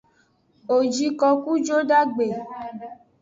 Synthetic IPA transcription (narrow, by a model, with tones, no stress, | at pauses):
o˨d͡ʒi˧kɔ˧ku˦d͡ʒo˦da˦ɡ͡be˨